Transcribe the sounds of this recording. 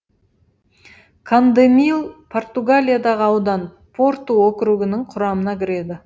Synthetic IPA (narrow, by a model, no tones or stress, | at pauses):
kʰand̪emijlˠpʰo̞rt̪uɡalʲijad̪ɑʁəɑwd̪ɑn | pʰo̞ɾt̪uwokɾuɡʲɪnɪŋqʰʊɾɑmənɑkʲʰɪɾe̞d̪ɪ